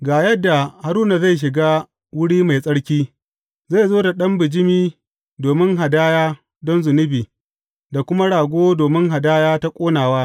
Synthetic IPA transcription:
ɡaː˨jɐ˦dːa˨ha˨ɾuː˦na˨za˦˨jʃ̬ɪ˨ɡaː˦ | wʊ˦ɽiː˦ma˨jsʼɐ˦ɽkʲiː˦ | za˦˨jzoː˦da˨ɗɐ˦mbɪ˨d͡ʒɪ˦miː˦ | doː˨mɪ˦ŋɦa˨daː˦jaː˦ | dɔ˦nzʊ˨nʊ˦biː˨ | da˨kʷʊ˦ma˦ɽaː˨ɡʷoː˦doː˨mɪ˦ŋɦa˨daː˦jaː˦ta˦kʷʼoː˦naː˨waː˦

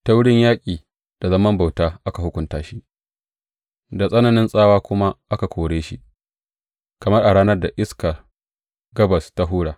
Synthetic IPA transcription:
ta˦wʊ˦ɽɪ˦ɲjaː˦kʲʼiː˨ | d̥a˨zɐ˦mɐ˦mba˨wtaː˦ʔa˦ka˨hʊ˦kʷʊ˦ntaː˦ʃi˦ʔ | da˨sʼɐ˦nɐ˨nɪ˦nsʼaː˦waː˦kʷʊ˦ma˦ʔa˦ka˨kʷoː˨ɽeː˦ʃi˦ʔ | kɐ˨mɐ˦rʔa˨ɽaː˦nɐ˦rda˨ʔɪ˦skɐ˨ | ɡɐ˦bɐ˨sta˦ɦuː˦ɽaː˨

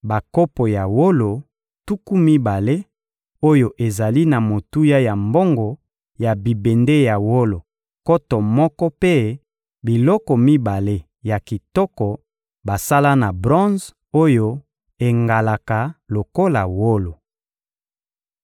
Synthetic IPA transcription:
ba˨ko˦po˨ja˨wo˦lo˨ | tu˦ku˦mi˦ba˨le˦ | o˦jo˨ʔe˨za˨li˦na˨mo˨tu˦ja˦ja˨mbo˦ŋɡɔ˨ | ja˨bi˨be˨nde˦ja˨wo˦lo˨ | ko˦tɔ˨mɔ˦kɔ˦pe˦ | bi˨lɔ˦kɔ˨mi˦ba˨le˦ | ja˨ki˨tɔ˦kɔ˨ | ba˨sa˦la˦na˨bʁɔ̃˦z | o˦jo˦ | e˨ŋɡa˨la˨ka˨lo˨ko˦la˨wo˦lo˨

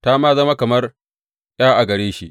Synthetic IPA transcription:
ta˦maː˦zɐ˦ma˦kɐ˨mɐ˦r | j̰aː˦ʔa˨ɡɐ˨ɽeː˦ʃi˦ʔ

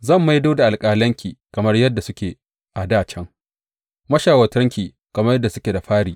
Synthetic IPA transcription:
zɐ˦˨mːa˦jdoː˦da˨ʔa˨lkʼaː˨lɐ˦ŋkʲiː˨kɐ˨mɐ˦rjɐ˦dːa˨sʊ˦kʲeː˨ | ʔa˨daː˦˨t͡ʃɛ˦ŋ | mɐ˦ʃaː˨wɐ˨tɐ˦ŋkʲiː˨ | kɐ˨mɐ˦rjɐ˦dːa˨sʊ˦kʲeː˨da˨ɸaː˦ɽiː˨

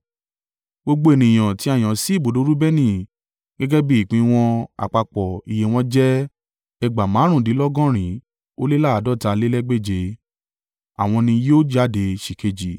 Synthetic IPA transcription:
ɡ͡bo˧ɡ͡bo˧˦e˨nĩ˨j̃ã˨ti˨˦a˦˨j̃ã˨si˨˦˨bo˨do˨˦ɾu˦bɛ˦nĩ˦˨ | ɡɛ˦ɡɛ˦bi˦i˦˨k͡pĩ˧w̃ɔ̃˧a̰˨k͡pa˧k͡pɔ˨i˨je˨˧w̃ɔ̃˦d͡ʒɛ˦ | ɛ˧ɡ͡ba˨mãː˨˦ɾ̃ũ˦˨di˨˦lɔ˦ɡɔ̃˦˨ɾ̃ĩ˨˦ | o˦le˦la˦a˨˦dɔ˦˨ta˧le˦lɛ˦ɡ͡be˦˨d͡ʒe˧ | a˨w̃ɔ̃˧nĩ˧joː˦d͡ʒa˦˨de˧ʃi˨ke˧d͡ʒi˨

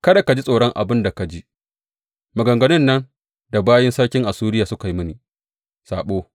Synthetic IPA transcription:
kɐ˦da˨ka˨d͡ʒi˦sʼoː˨ɽɔ˦ŋʔa̰˨bɪ˦nda˨ka˨d͡ʒi˦ʔ | mɐ˨ɡɐ˨ŋɡɐ˨nɪ˦nːɐ˦n | da˨baː˦jɪ˦nsɐ˦ɽkʲɪ˦ŋʔa˨suː˦ɾɪ˦jaː˨sʊ˦ka˨ji˦mʊ˦niː˨ | saː˨ɓoː˦

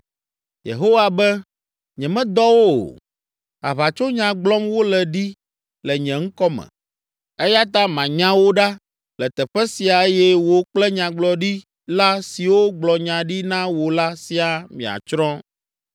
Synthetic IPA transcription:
jḛ˨ɦo˦wa˨bɛ˦ | ɲɛ̃˨mɛ̃˦d̪ɔ˦wo̰˦˨ | a̰˨βa˨t͡ʃo˦ɲã˨ɡ͡blɔ˦mwo˦lɛ˨ɖi˦ | lɛ˨ɲɛ̃˨ŋ̩˦kɔ˦mɛ̰̃˨ | ɛ˦ja˦t̪a˦mã˨ɲã˦wo˦ɖa˦ | lɛ˨t̪ɛ˨ɸɛ˦si˨a˨e˦jɛ˦wo˦k͡plɛ˦ɲã˨ɡ͡blɔ˨ɖi˦ | la˦si˨wo˦ɡ͡blɔ˨ɲã˨ɖi˦nã˦wo˨la˦si˨a˨mĩ˨a̰˨t͡ʃɾɔ̃˦

